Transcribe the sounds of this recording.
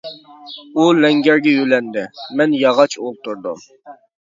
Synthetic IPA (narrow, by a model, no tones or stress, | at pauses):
ulɛŋɡʲɛɾɡʲɛjylɛnd̪ɪmɛnjɑʁɑt͡ʃʰolˠt̪uɾd̪ṵm